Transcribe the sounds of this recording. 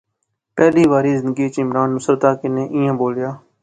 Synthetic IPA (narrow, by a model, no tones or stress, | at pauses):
pɛːliːʋaːɾiːzɪ̃nd̪əɡiːt͡ʃɪmɾaːnːʊsəɾt̪aːkɪnẽːʔɪ̃ːãːboːljaː